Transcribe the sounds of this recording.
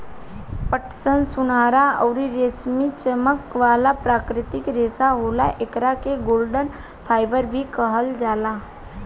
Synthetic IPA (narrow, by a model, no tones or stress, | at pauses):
pəʈʰsənsʊnaːɾaɔːɾiɾeːsmit͡ʃəməkʋaːlapɾaːkɾɪt̪ɪkɾeːsaɦoːla̰ʔekɾakeɡoːlɖən | pʰaːɪbəɾbʱikəɦəld͡ʒaːlaː